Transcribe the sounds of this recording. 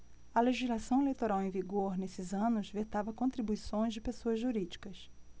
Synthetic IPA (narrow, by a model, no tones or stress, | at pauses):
ɐleʒizlasɐ̃w̃elejt̪oɾawẽj̃viɡoɾnesɪzɐ̃nʊzvet̪avɐkõnt̪ɾibuisõj̃zd͡ʒɪpesoɐzʒuɾid͡ʒikɐs